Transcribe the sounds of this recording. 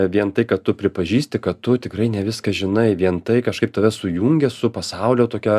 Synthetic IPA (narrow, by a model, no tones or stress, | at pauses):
ʋʲiɛnt̪ɐɪkɐtt̪ʊpʲɾʲɪpɐʒʲiːsʲt̪ʲɪkɐtt̪ʊt̪ʲɪkɾɐɪnʲɛʋʲɪskɐʒʲɪnɐɪʋʲiɛnt̪ɐɪkɐʃkɐɪp̚t̪ɐʋʲɛsʊjuːŋʲɡʲɛsʊpɐsɑʊlʲoːt̪oːkʲɛː